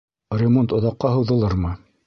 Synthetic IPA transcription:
rʲɪmont̪ŏðɑqːɑɦɤ̆wðɤ̆lˠɤɾmɤ

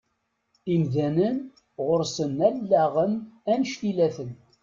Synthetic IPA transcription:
imðænən | ʁʊɾsənælːæʁənænʃθilæθən

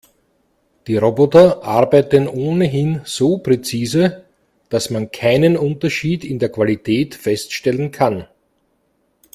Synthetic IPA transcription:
d̥iːʁobɔtɐʔaɐbæɪtənʔoːnəɦɪnz̥oːpʁ̥et͡siːzə | d̥asmankʰaɪnənʊntɐʃiːdɪndeːɐkv̥alitʰɛːtfɛstʃtɛlənkʰan

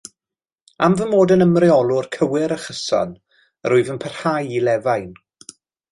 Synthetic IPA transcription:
a̰mvənmoːdənəmrɪɔlˠʊrkʰəwɪɾəχəsɔ̰n | ə̰ɾʊɨðənpʰər̥hajilɛvajn

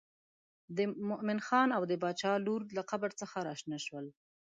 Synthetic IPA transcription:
d̪əmʊʔmɪnxɑnawd̪əbɑt͡ʃɑluɾlaqabəɾt͡səxaɾɑʃnaʃwəl

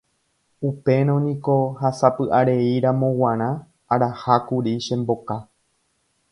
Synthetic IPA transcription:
upe̞ɾ̃õnĩko̞hasapɨʔaɾe̞iɾãmõ̞wãɾ̃ã | aɾahakuɾiʃẽmbo̞ka

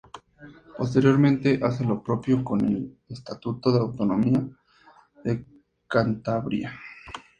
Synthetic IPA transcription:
po̞s̬t̪e̞ɾjo̞ɾmẽ̞nt̪e̞ʔase̞lo̞pɾo̞pjo̞ko̞ne̞lest̪at̪ut̪o̞ðeawt̪o̞no̞mia | ðe̞ | kant̪aβɾja

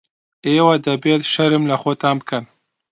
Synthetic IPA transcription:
ewad̪abet̪ʃaɾɪmlaxot̪aːm̚kan

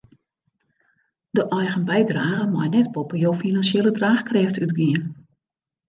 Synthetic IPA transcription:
dəʔɔjɣənbɛjdraːɣəmɔjnɛt̚popəjowfinansjelədraːxkrɛftʰytɡiən

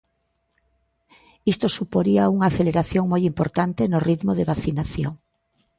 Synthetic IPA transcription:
ist̪osupoɾiauŋaːθeleɾaθjoŋmojimpoɾt̪ant̪enʊrit̪moðeβaθinaθjoŋ

